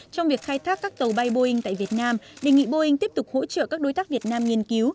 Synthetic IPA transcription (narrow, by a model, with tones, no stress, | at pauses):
t͡ɕɔ˧wŋ͡mvi˨˩əkxaː˧jt̪ʰaː˦˥kːaː˦˥k̚t̪ə˨˩wɓa˧jɓo˧hï˧ŋ̟t̪a̰ː˧˨vi˨˩ət̚naː˧mɗe˨˩ŋḭ˧˨ɓo˧hï˧ŋ̟t̪i˦˥əp̚t̪ʊ˨˩k͡p̚ho̰˧˥t͡ɕə̰ː˧˨kaː˦˥k̚ɗo˨˦jt̪aː˦˥k̚vi˨˩ət̚naː˧mŋi˧˩ənki˨˦w